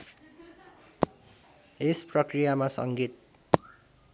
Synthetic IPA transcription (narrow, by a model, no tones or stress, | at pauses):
esprʌkrijamasʌ̰ŋɡit̪̚